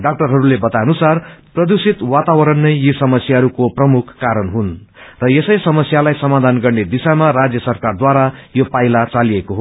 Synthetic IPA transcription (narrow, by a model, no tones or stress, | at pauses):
ɖak̚ʈʌrɦʌɾulebʌt̪aʌnusarprʌd̪usit̪wat̪awʌɾʌnːʌjjisʌmʌsjaɦʌɾukoprʌmukʰːaɾʌnɦun | rʌjesʌjsʌmʌsjalajsʌmad̪ʱanɡʌrned̪isamarad͡zjʌsʌrkard̪waɾajopajlat͡saliekoɦo